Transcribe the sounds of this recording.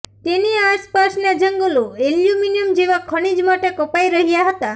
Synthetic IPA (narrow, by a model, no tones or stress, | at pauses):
t̪eniaspasnad͡ʒəŋɡoloeljuminiəmd͡ʒeʋakʰəɽ̃id͡ʒmaʈekɔpajɾəɦijaɦət̪a